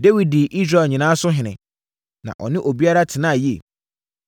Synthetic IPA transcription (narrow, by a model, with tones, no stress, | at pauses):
de˦wi˨d̚di˨ʔi˦sɾa˨ɛ˨ɲɪ̃˨nãː˦sʊ˦ɦɪ̃˨nɪ̃˨ | nã̰˨ʔɔ̰˨nɪ̃˦ʔo˨bi˦a˦ɾa˦tʰɪ˨nã˦˨ji˦ḛ˨